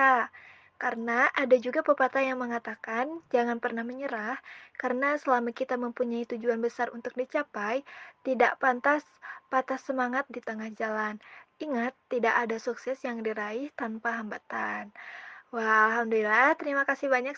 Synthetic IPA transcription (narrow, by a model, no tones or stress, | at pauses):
a | kaɾənaʔadad͡ʒuɡapəpat̪ajaŋməŋat̪akand͡ʒaŋanpərnahməɲəɾahkarənasəlamakit̪aməmpuɲait̪ud͡ʒuanbəsarṵnt̪ʊ̥k̚dit͡ʃapajt̪idaʔpant̪as | pat̪asːəmaŋat̪̚dit̪əŋahd͡ʒalaniŋat̪ːidaʔadasuksɛsjaŋdiɾaɪht̪anpaɦambat̪anwahalɦamdulilaht̪əɾimakasɪhbaɲak